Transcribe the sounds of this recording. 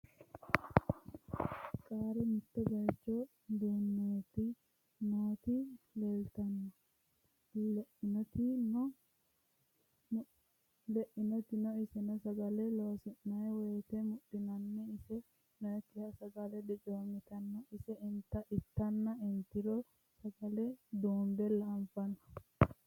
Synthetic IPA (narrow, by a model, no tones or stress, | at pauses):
kʼaːɾɛmɪt̪ːɛɡɐɾt͡ʃːɔ | d̪eːnːɐjt̪ːɪ | noːt̪ɪleːlt̪ɐnːɔ | lɛʔɪnɔt̪ɪnɔ | lɛʔɪnɔt̪ɪnɔɪsɛnɔsɐɡɐlɛloːsɪʔnɐjwɛːt̪ɛmʊɗɪnɐnːɛɪsɛ | nɔɛk̪ːɪhɐsɐɡɐlɛd̪ɛt͡ʃʼoːmːɪt̪ɐnːɔɪsɛɪnt̪ːɐʔɪt̪ːɐnːɐɪnt̪ːɪɾɔ | sɐɡɐlɛd̪uːnd̪ɛlɐmfɐnɐ